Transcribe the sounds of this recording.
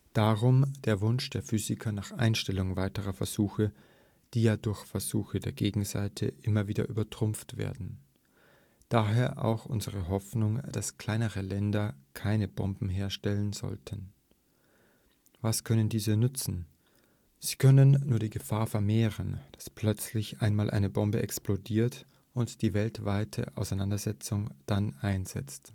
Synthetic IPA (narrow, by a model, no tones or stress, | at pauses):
d̥aʁʊmd̥eːɐvʊnʃd̥eːɐfyːzɪkʰɐnaːχʔa̰ɪnʃtɛlʊŋvaɪtəʁɐfɛɐz̥uːxə | d̥iːjaːdʊɐçfɛɐzuːxədeːɐɡeːɡŋ̩za̰ɪtʰə̰ʔɪmɐviːdɐ̰ʔyːbɐtʁ̥ʊmp͡ftv̥ḛːɐdn̩ | d̥aːɦeːɐʔa̰ʊxʔʊ̰nzəʁəɦɔfnʊŋd̥askl̥aɪnəʁəlɛndɐkʰaɪnəbɔ̰mbm̩ɦeːɐʃtɛlənzɔ̰ltʰən | vaskʰœnəndiːzənʏt͡sn̩ | z̥iːkʰœnənːuːɐdiːɡəfaːɐfɛɐmeːʁənd̥ḁspʰl̥œt͡slɪçʔaɪnmaːlʔa̰ɪnəbɔmbəʔɛksplodiːɐt | ʔʊntd̥iːvɛltv̥aɪtʰə̰ʔa̰ʊsaɪnandɐzɛt͡sʊŋd̥anʔaɪnz̥ɛ̰t͡st